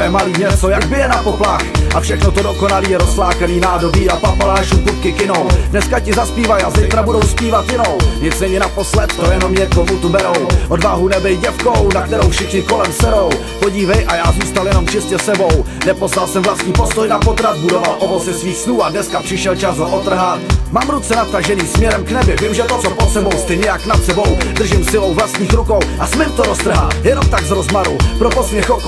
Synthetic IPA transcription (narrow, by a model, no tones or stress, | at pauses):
jɛmaliːɲɛt͡so̞jaɡbɪjɛnapo̞plaxʔafʃɛxnot̪odokonaliːjɛɾoslaːkaniːnaːdo̞biːapapalaːʃumkut̪̚kɪkɪnowdnɛskacɪzaspiːvajazɛjt̪ɾabudo̞wspiːvat̪jɪno̞wɲɪt͡smɛːɲɛnapo̞slɛt̪̚t̪ojɛno̞mɲɛk̪omut̪ubɛɾo̞wʔodvaːɦunɛbɛjɟɛfkownakt̪ɛɾowfʃɪxɲɪko̞lɛmsɛɾo̞w | poɟiːvɛjʔajaːzuːst̪aljɛno̞mt͡ʃɪscɛsɛbow | nɛposvalsɛmvlast̪ɲiːpo̞st̪ojnapo̞t̪ɾat̪budovalʔovot͡sɪsviːxsluːadnɛskapr̥ɪʃɛlt͡ʃasɦoʔot̪r̩ɦat̪maːmɾut̪t͡sɛnat̪̚t̪aʒɛniːsmɲɛɾɛmknɛbɪvɪmʒɛt̪ott͡sopot̪sɛbo̞wst̪ɪɲɛjaknat̪sɛbo̞wd̪r̩ʒɪmsɪlo̞wvlast̪ɲiːxɾuko̞wʔasmɪmt̪oɾost̪r̩ɦaːjɛnomt̪aɡzɾo̞zmaɾupɾopo̞smɲɛxok